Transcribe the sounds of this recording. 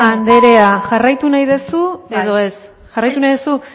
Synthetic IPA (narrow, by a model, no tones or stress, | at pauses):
and̪e̞ɾe̞aʝarajt̪unajðe̞sueðo̞es | ʝarajt̪unajðesu